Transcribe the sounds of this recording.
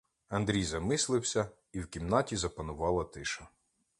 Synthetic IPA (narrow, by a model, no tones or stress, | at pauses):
ɐnd̪ɾʲijzɐmɪslˠɪwsʲɐ | iwkʲimnɑtʲizɐpɐnʊʋɑlˠɐt̪ɪʃɐ